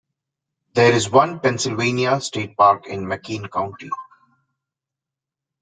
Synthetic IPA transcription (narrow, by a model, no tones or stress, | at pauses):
d̪eːɾɪzʋʌ̃npɛ̃nsɪlʋẽːniasʈeːʈ̚paːɾkɪ̰̃nməkĩːnkãʊ̃ɳʈi